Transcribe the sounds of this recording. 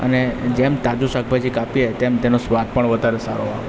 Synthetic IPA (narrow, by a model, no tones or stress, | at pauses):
ə̰ned͡ʒemt̪ad͡ʒuʃak̚bʱajd͡ʒikapiet̪emt̪enosʋad̪̚pəɳʋəd̪ʱaɾesaɾoao